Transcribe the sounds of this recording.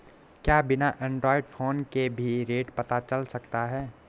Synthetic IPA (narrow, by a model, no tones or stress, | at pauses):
kjaːbɪnaʔɛ̃ːɳɖɾɔːɪɖfʰoːnkebʱiɾeːʈpɐt̪at͡ʃɐlsɐkt̪aɦɛː